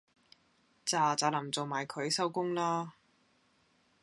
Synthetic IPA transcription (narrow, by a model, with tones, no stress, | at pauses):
t͡saː˨˩t͡saː˨˥lɐ˨˩mt͡so˨wmaː˨˩jkʰɵ˨˧˥ɥsɐ˥wkʊ˥ŋlaː˥